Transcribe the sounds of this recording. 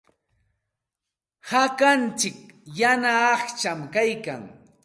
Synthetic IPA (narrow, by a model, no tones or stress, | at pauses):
hakant͡ʃɪk̚janaːχt͡ʃamkajka̰ŋ